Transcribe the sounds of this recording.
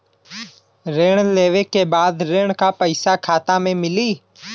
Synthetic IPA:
ɾeːɳleːʋeːkeːbaːd̪ɾeːɳkaːpəɪsaːkʰaːt̪ãːmẽːmɪliː

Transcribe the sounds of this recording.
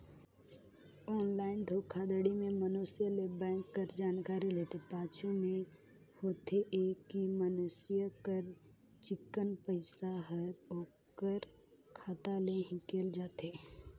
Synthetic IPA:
ɔːnlaːɪnd̪ʱoːkʰːad̪əɽimẽmənuːsɪjəlebɛ̃ːŋkːəɾd͡ʒaːnkaːɾileːt̪epaːt͡ʃʰumẽ | hoːt̪eʔeːkːimənʊsijəkəɾ | t͡ʃɪkːənpəɪsaɦəɾoː | kəɾ | kʰaːt̪aleɦĩkeːld͡ʒaːt̪eː

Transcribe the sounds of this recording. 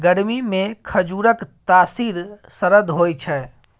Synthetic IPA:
ɡəɽmimekʰəd͡ʒuɾəkt̪asiɾsəɾəd̪ʱɦojt͡ʃʰɛ

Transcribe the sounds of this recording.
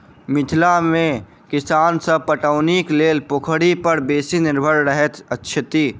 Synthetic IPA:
mɪt̪ʰlamẽ | kɪsaːnsəb̚pəʈəʊnikleːlpokʰɽipəɾbeːsinɪɾbʱəɾɾəɦɛt̪ətːʃʰət̪i

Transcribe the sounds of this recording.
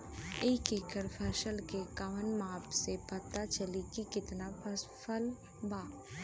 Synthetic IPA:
eːkeːkəɾpʰəʃəlkekaʋənmaːpsebɐt̪ːat͡ʃəlikikɪt̪napəs | pʰəl | baː

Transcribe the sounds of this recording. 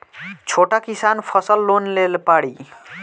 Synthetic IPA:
t͡ʃʰoʈakisanpʰəsəlːonlelpaɽi

